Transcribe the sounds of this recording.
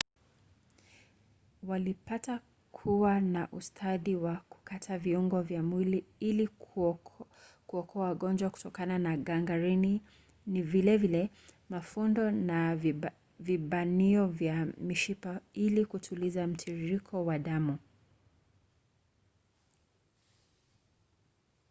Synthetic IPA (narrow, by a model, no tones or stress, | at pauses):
walipata | kʰuwanaʔustʰaðiwaku̥katʰaviuŋɡɔvjamwiliili | kuɔkʰɔawaɠɔnd͡ʒwaku̥tɔkananaɠaŋɡaɾini | nivilɛvilɛ | mafundɔna | viɓaniɔvjamiʃipailikutʰulizam̩tʰiɾiɾikʰɔwaɗamu